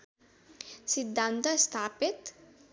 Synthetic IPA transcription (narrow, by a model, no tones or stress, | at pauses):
sid̪ːant̪ɐst̪ʰaːpit̪